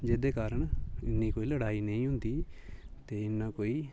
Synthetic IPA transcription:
d͡ʒeːd̪eːkaːɾəɳɪ̰nːĩːkoːiːləɽaːiːnə̃ĩːɦʊ̃nd̪iːt̪eːɪnːãːkoːiː

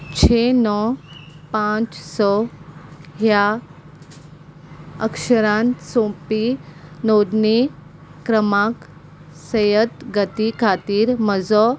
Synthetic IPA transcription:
t͡ɕʰenɔpãt͡ssɔ | ɦja | ə̰kʂəɾãnsõpinoɽni | kɾəmak | səjət̪ɡət̪ikʰat̪iːɾməd͡zɔ

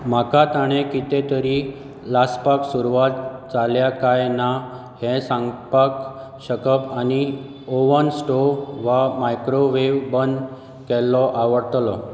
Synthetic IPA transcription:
m̤akat̪aɽ̃ekit̪ẽt̪əɾi | laspaksuɾuʋat̪̚t͡saljakajna | hẽsãŋɡpak | ɕəkəpañi | oʋənsʈoɾʋamajkɾoʋeʋbənd̪ | kɛlːɔʔaʋəɾt̪lɔ

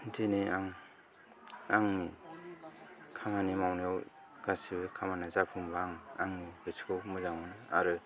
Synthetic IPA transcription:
ntʰiniaŋ | aŋni | kʰamanimawnew | ɡ̥asibekʰamanazapʰuŋbaŋa̰ŋnihɯskʰɯwmɯzaŋanɯa̰ɾɯ

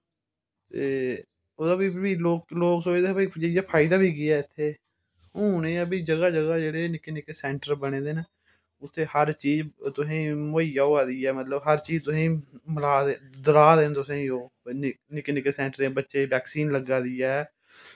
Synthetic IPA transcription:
t̪eː | oːd̪aːbiːbiːloːkloːksoːt͡ʃd̪eːbiːd͡ʒeɪjaːpʰaːɪd̪aːbiːɡɪjaːɪt̪ʰːeː | ɦʊ̃ːnẽːəbiːd͡ʒəɡaːd͡ʒəɡaːd͡ʒeːɽeːnɪkeːnɪkeːsɛ̃ːɳʈəɾbəɽ̃eːd̪eːne | ʊt̪ʰːeːhəɾt͡ʃiːd͡ʒt̪ʊsĩːmoːiːjaːoːaːd̪ijɛːmət̪ləbɦəɾt͡ʃiːd͡ʒt̪ʊsĩːməlaːd̪ed̪əlaːd̪eːnt̪ʊsẽoː | nɪnɪkeːnɪkeːsɛ̃ːɳʈəɾeːbətːʃeːbɛːksiːnləɡaːd̪ɪjaː

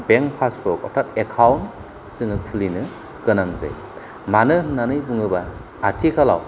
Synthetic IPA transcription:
beŋpʰasbɔkɔ̰tʰat̚ekʰawn | zɯŋɯkʰulinɯ | kɯnaŋza̰j | manɯnanɯjbuŋɯbaː | tʰikʰala̰w

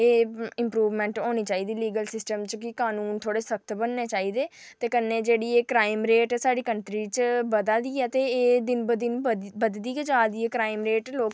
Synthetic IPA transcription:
eːɪ̃mpɾuːʋmɛ̃ːɳʈoːniːt͡ʃaːiːd̪iːliːɡəlsɪsʈəmt͡ʃkɪkaːnuːnt̪ʰoːɽeːsək̚t̪ʰbənːeːt͡ʃaːiːd̪eːt̪eːkənːeːd͡ʒeːɽiːeːkɾaːɪmɾeːʈɛsaːɖiːkəɳʈɾiːt͡ʃbəd̪ad̪iːɛːt̪eːd̪ɪnbd̪nbəd̪d̪iːked͡ʒaːd̪iːɛːkɾaːɪmɾeːʈloːk

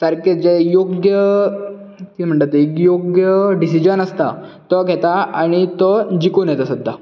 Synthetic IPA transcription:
səɾked͡ʑejoɡjə | t̪iːm̤əɳʈ̪at̪ikjoɡjəɖisid͡ʑənəst̪a̰t̪əɡʱɛt̪aaɽ̃it̪əd͡ʑikonjet̪asəd̪ʱːa

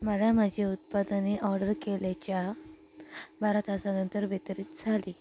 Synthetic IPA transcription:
məlamad͡ʑʱiut̪̚pad̪aneʔɔɾɖəɾkeljat͡ɕja | bʱaɾət̪asanənt̪əɾʋet̪əɾiːt̪d͡zʱaliː

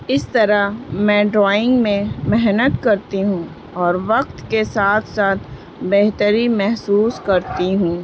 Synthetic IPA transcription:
ɪst̪ɐɾaɦmɛ̃ːɖɾaːɪ̃ŋɡmẽmɛɦnət̪kɐɾt̪iɦũː | ɔːɾʋɐq̚t̪kesaːt̪ʰsaːt̪ʰ | beɦt̪əɾimɛɦsuːskɐɾt̪iɦũː

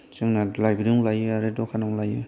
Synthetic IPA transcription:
sɯŋnalajbɾɯŋlajɯaɾedɔkʰanɔŋlajɯ̰

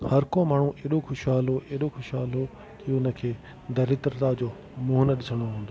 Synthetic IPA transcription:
hɐɾkõmaːɳ̤ũʔeːɗoxʊʃɦaːlɦoʔeːɗoxʊʃɦaːlɦo | kiʊnə̆kʰeː | d̪ɐɾɪt̪ɾət̪ad͡ʑoː | mʊɦnəɗɪsəɽ̃oɦũːnd̪o

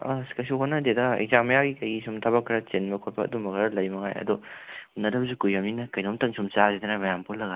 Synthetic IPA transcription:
askɐsuɦonɐdedɐḛkzamɐjaɡikɐjɡisumtʰabɐkʰːɾat͡ʃenbɐkʰotpʰaɐ̰dumbɐɡaɾɐlɐjmɐŋa̰jɐ̰dɔnɐdɐbzukujamninɐkɐjnomtɐŋsʰumt͡ʃazid̪ɐnɐmɐjampʰolːɐɡa

